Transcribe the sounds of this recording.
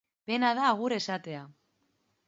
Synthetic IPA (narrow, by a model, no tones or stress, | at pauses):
pe̞nað̞aːɣ̞uɾe̞sat̪e̞a